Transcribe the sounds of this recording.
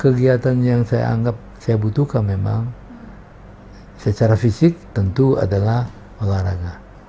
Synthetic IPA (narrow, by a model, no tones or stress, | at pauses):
kəɡiat̪anjaŋsaja̰a̰ŋɡap̚sajabut̪uhkanmema̰ŋ | sət͡ʃaɾafisɪk̚t̪ənt̪ua̰dalah | məlaɾaɡa